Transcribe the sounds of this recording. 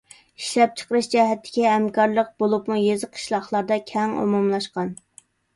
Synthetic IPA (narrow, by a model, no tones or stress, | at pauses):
iʃlɛp̚t͡ʃʰə̥qəɾɨʃd͡ʒɛɦɛt̪ʰːɪ̥kʲiɦɛmkʰɑɾlˠəq̚bolˠupmujezɨqʰə̥ʃlˠɑχlˠɑɾd̪ɑkʲʰɛŋo̰mumlˠɑʃqɑn